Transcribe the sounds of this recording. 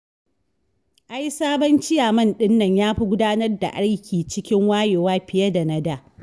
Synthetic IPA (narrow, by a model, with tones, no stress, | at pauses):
ʔa˦jsaː˦bɐ˦nt͡ʃɪ˦jaː˨mɐ˦˨nɗɪ˦nːɐ˨ɲjaː˦ɸi˦ɡʷʊ˦daː˦nɐ˦rda̰˨ʔa˦ɽkʲiː˨t͡ʃɪ˦kʲɪ˦ŋwaː˦jeː˨waː˦ɸɪ˨jɐ˦da˨nɐ˦daː˨